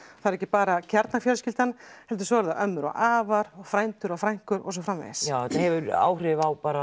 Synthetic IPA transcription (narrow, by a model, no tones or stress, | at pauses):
θaðɾɛcːɪpaːɾacʰaɾt̪nafjɔɾscɪlt̪anhɛlt̪̬ʏ̥sɔːɛɾðaʔœmːʏɾɔ̰ɣaːvaɾɔɣfɾajnt̪ʏɾawfɾajŋ̥kʏɾɔ̰ɣs̬ɔfɾamvɛ̰ðɪsjaːwɛt̪ahɛvʏɾa̰ːwrɪvawpaːɾa